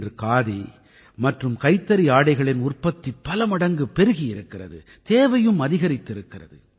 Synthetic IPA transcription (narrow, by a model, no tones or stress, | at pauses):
drɯkaːði | mɐʈrɯmkɐɪt̪ːɐɾiaːɽɐɪɣɐɭɪnʊrpɐt̪ːipːɐlɐmɐɽɐŋɡɯpːɛɾɯɣijɪɾɯkːɪrɐ̰ðɯ̰ | t̪eːʋɐjɯmɐðɪɣɐɾɪt̪ːɪɾɯkːɪrɐ̰ðɯ